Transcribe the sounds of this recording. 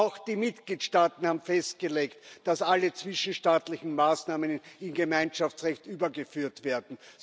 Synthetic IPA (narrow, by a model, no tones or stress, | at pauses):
ʊxd̥iːmɪtɡ̥liːtʃtaːtn̩haːbm̩fɛst̚ɡ̥əleːktd̥asalət͡sv̥ɪʃn̩ʃtaːtlɪçn̩maːsnaːmənɪnɡemæɪnʃaft͡sʁɛçtʔyːbɐɡəfyːɐtv̥eːɐdn̩